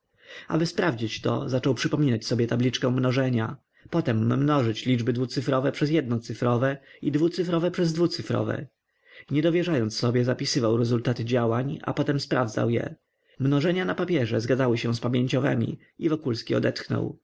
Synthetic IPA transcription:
a̰bɘspɾavd͡ʑit͡ɕt̪ɔ̰zat͡ʂɔwpʂɘpɔmʲinat͡ɕsɔbʲjɛt̪ablʲit͡ʂkɛ̃mnɔʐɛɲa | pɔt̪ɛmːnɔʐɘt͡ɕlʲid͡ʐbɘd̪vut̪sɘfɾɔvɛpʂɛzjɛd̪̚nɔt̪sɘfɾɔvɛid̪vut̪sɘfɾɔvɛpʂɛzd̪vut̪sɘfɾɔ̰vɛ̰ | ɲɛd̪ɔvʲjɛʐajɔnt̪sːɔbʲjɛzapʲisɘvawɾɛzult̪at̪ɘd͡ʑawaɲa̰pɔt̪ɛmspɾavd̪za̰wjɛ̰ | mnɔʐɛɲanapapʲjɛʐɛzɡadzawɘɕɛ̃spamʲjeɲt͡ɕɔvɛ̰mʲḭ | ivɔkulskʲiɔ̰d̪ɛt̪xnɔ̰w

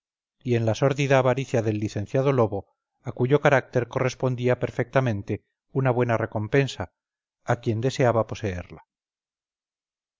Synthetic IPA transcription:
ie̞nlaso̞ɾðiðaːβaɾiθjaðe̞lːiθẽ̞n̟θjað̞o̞lo̞βo̞ | akuʝo̞kaɾak̚t̪e̞ɾko̞re̞spo̞nd̪iapeɾfe̞k̚t̪amẽ̞nt̪e̞ | unaβwe̞nare̞ko̞mpe̞nsaː | kje̞nd̪e̞se̞aβapo̞se̞ḛɾla

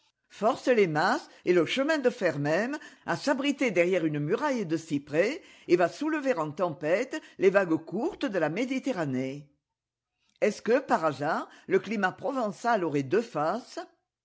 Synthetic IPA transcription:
fɔʁsəlemaseləʃəmɛ̃d̪əfɛʁmɛma̰sabʁit̪ed̪ɛʁjɛʁynmyʁajd̪əsipχe | evasuləveʁɑ̃t̪ɑ̃pɛt̪levaɡkuʁt̪əd̪əlamed̪it̪eʁane | ɛskəpaʁazaʁləklimapχɔvɑ̃saloʁɛd̪øfas

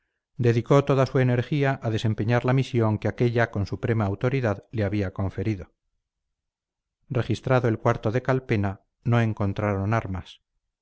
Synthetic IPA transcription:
d̪e̞ðiko̞t̪o̞ðasue̞ne̞ɾxiaʔaðe̞sempe̞ɲaɾlamisjo̞ŋkeake̞ʎako̞nsupɾe̞maːwt̪o̞ɾiðaðleaβiako̞ɱfe̞ɾiðo̞ | re̞xist̪ɾaðoelkwaɾt̪o̞ðe̞kalpe̞na | no̞e̞ŋko̞nt̪ɾaɾo̞naɾmas

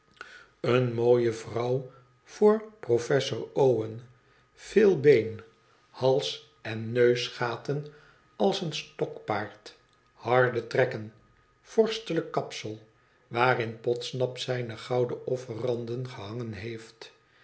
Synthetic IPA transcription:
ənmoːjəvrɑw | v̥ʊːɹprofɛsʊɹowən | v̥ɪːlˠbejn | hɑlˠs | ɛnːøɥsχaːtən | ɑlˠsənstɔkpaːɹt | hɑɹdətrɛkən | fɔɹstələkːɑpsəlˠ | ʋaːrɪnpɔtsnɑpsɛjnəχɑwdəʔɔfərɑndənχəɦɑŋənɦejft

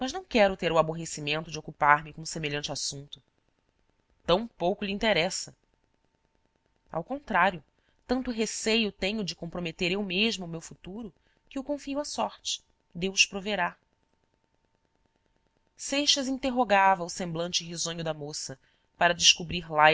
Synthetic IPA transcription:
mɐʒnɐ̃w̃kɛɾʊt̪eɾʊaboɦesimẽnt̪ʊd͡ʒokupaɾmɪkõmʊsemeʎɐ̃nt͡ʃɪasũnt̪ʊ | t̪ɐ̃w̃powkʊʎiĩnt̪eɾɛsɐ | a̰wkõnt̪ɾaɾjʊ | t̪ɐ̃nt̪ʊɦesejʊt̪ẽɲʊd͡ʒɪkõmpɾomet̪eɾewmeʒmʊːmewfut̪uɾʊ | kɪukõfiuɐsɔɾt͡ʃɪ̥ | d̪ewʃpɾoveɾa | sejʃɐzĩnt̪eɦoɡavɐʊsẽmblɐ̃nt͡ʃɪɦizõɲʊd̪ɐmosɐ | paɾɐd͡ʒɪʃkubɾiɾla

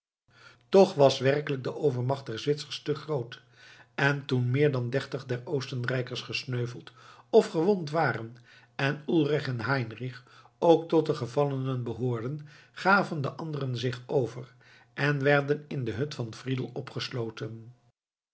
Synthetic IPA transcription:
tɔχʋɑsʋɛrkələk̚dəʔowvəɹmɑχt̚d̥ɛɹzʋɪtsə̥ɹstəχrowt | ʔɛntunmɪːɹdɑndɛrtəχdɛrowstənrɛjkəɹsχəsnøɥvəlˠtɔfχəʋɔntʋaːrən | ɛnulˠrɪχɛnɦɛjnriχ | owktɔt̚dəχəvɑlˠənənbəɦoːɹdən | χaːvəndəʔɑndərənzɪχowvər | ʔɛnʋɛɹdənɪndəɦɵtfɑnvridəlˠɔpχəslowtən

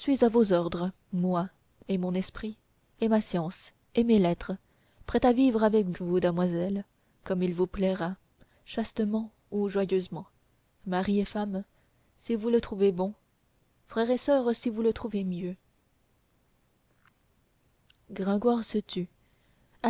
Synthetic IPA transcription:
sɥizavozɔʁd̪ʁ | mwa | emɔ̃nɛspχi | emasjɑ̃s | emelɛt̪χə | pχɛt̪avivʁavɛkvud̪əmwazɛl | kɔmilvuplɛʁa | ʃast̪əmɑ̃ | uʒwajøzmɑ̃ | maʁiefam | sivulət̪χuvebɔ̃ | fχɛʁesœʁsivulət̪χuvemjø | ɡʁɛ̃ɡwaʁsət̪y | a

